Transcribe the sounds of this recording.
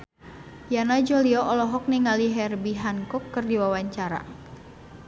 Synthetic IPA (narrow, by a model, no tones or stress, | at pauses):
janad͡ʒɔliɔʔɔlɔɦɔk̚niŋaliɦɛrbiɦankɔkːɨrdiwawaɲt͡ʃaɾa̰